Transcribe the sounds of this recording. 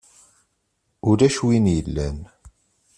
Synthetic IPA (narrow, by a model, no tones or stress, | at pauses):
ʊɾæʃwinjəlːæn